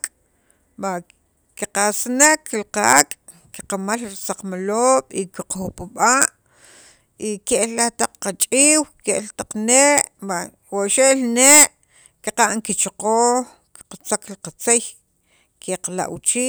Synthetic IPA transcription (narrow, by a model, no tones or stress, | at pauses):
kʼ | ɓa | kiqasnekːlqakʼ | kiqamalɾisaqmaloːɓ̥ikiqoxpuɓaːʔ | ikeʔllaht̪aq͡χqat͡ʃʼiːwkeʔlt̪aq͡χneːʔba | waʃeʔlneːʔ | kiqaʔŋkit͡ʃaqoːx | ki̥qat͡saklqat͡sej | keqala̰ʔwt͡ʃiː